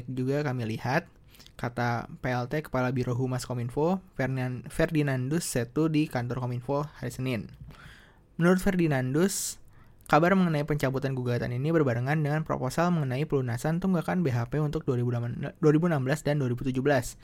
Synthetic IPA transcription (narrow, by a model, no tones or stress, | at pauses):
k̚d͡ʒuɡakamilihat̪̚ | kat̪apeɛlt̪ekə̥palabiɾoɦumaskominfo | fɛrdinandʊsːət̪udikant̪ɔrkominfohaɾisənɪn | mənuɾʊt̪̚fɛrdinandʊs | kabarməŋənaipəɲt͡ʃabut̪anɡuɡat̪a̰ninibərbaɾəŋandəŋanpɾo̰posalməŋənaipəlunasant̪uŋɡakanbeɦapeunt̪ʊk̚dibuduaɾibunambəlasdanduaɾibut̪ud͡ʒubəlas